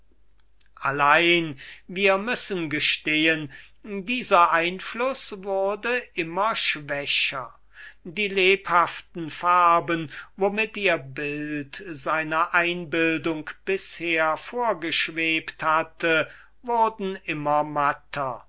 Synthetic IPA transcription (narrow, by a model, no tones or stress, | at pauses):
ʔalaɪnviːɐmʏsənɡəʃteːən | diːzɐʔaɪnflʊsvʊɐdəʔɪmɐʃv̥ɛɕɐ̰ | diːleːphaftn̩faɐbənvomɪtiːɐbɪltzaɪnɐʔaɪnbɪldʊŋkb̥ɪsheːɐfoːɐɡəʃv̥eːpthatʰə | vʊʁdn̩ɪmɐmatʰɐ